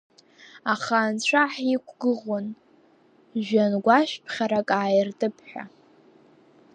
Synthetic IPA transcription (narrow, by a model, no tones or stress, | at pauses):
aχaːnt͡ɕʷʰaħikʷʰɡɨʁon | ʒᶣanɡʷaʃᶣpʰχʲaɾakʼaːjɪrtʼɨpʰħʷᶣa̰